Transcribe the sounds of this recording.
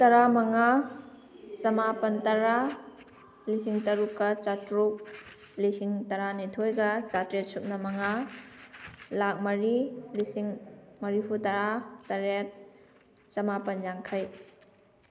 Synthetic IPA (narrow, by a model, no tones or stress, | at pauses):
tɐɾamɐŋa | t͡ʃɐmapɐntɐɾa | lisiŋtɐɾukːɐt͡ʃatɾuk̚ | lisiŋtɐɾanitʰojɡɐt͡ʃatɾet̚suk̚nɐmɐŋa | lak̚mɐɾilisiŋmɐɾipʰutɐɾatɐɾet̚ | t͡ʃɐmapɐnjaŋkʰɐj